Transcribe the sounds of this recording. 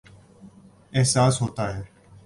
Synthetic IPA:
eɦsaːsɦoːt̪aːɦeː

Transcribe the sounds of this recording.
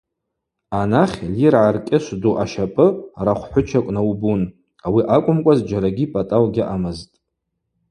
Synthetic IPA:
anaχʲlirʕarkʲʼɪʃʷduʔaʃapʼɨraχʷħʷʊt͡ʃʰakʷʼnawbun | awiʔakʷʼʊmkʷʼazd͡ʒaɾaɡʲipʼatʼawɡʲɪʔamɨztʼ

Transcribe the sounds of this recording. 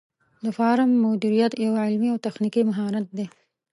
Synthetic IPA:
d̪əfɑɾɪmːod̪iɾijat̪jawʕɪlmiawt̪axnikimaɦɑɾat̪̚d̪e

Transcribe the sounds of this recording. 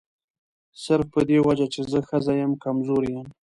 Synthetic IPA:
səɾfpəd̪ewad͡ʒat͡ʃezəxəzajəmkamzoɾjəm

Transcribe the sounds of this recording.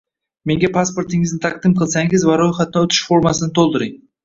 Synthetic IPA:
me̞ŋɡʲapʰaspo̞ɾt̪ʰɪŋɪznɪt̪ʰaq̚d̪ɪmqʰɨlˠsaŋɪzvaɾojχat̪̚ɪnɪɵt̪ʰɪ̥ʃfoɾmasɪnɪt̪ʰolˠd̪ɪɾɪŋ

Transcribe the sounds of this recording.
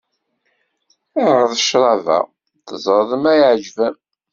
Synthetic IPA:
æɾʁəðəʃɾˤɑvæ̰ | θəzˤəɾˤðˤəmæjʕd͡ʒvæm

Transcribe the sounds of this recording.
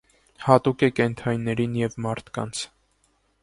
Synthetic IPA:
hɑt̪ukɛkɛnt̪ʰɑjnːɛɾinjɛvmɑɾt̪ʰkɑ̰nt͡sʰ

